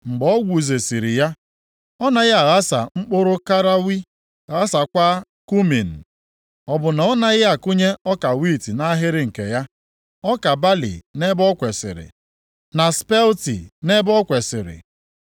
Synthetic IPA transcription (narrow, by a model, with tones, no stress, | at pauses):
ŋ͡m̩˨ɡ͡bɔ˦ɡʷu˨ze˨si˨ɾi˨ja˦ | ɔ˦na˦ɣɪ˦a˨ɣa˦sa̰˨ŋ͡m̩˦k͡pʊ˦ɾʊ˦ka˦ɾa˦wi˦ | a˨ɣa˦sa˨kʷa˦ | ku˦mi˨n̩˨ | ɔ˨bʊ˨na˨ɔ˦na˦ɣɪ˦a˨kʊ˦ɲe˦ɔ˦ka˨wi˦˨ti˨na˦ɦɪ˦ɾɪ˦ŋ̩˨ke˨ja˦ | ɔ˦ka˨ba˦lḭ˨ne˦bɔ˦kʷe˨sɪ̰˨ɾɪ̰˨ | na˨spe˦ltḭ˨ne˦bɔ˦kʷe˨sɪ̰˨ɾɪ̰˨